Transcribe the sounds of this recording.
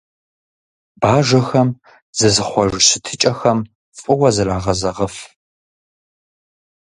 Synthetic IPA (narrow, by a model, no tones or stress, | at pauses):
baːʒʷɐxɐm | zɨzɨχʷɔʒɕɪtʰɨt͡ʃʼɐxɐm | fʼɨwɐzɨɾaːʁɐzɐʁɐf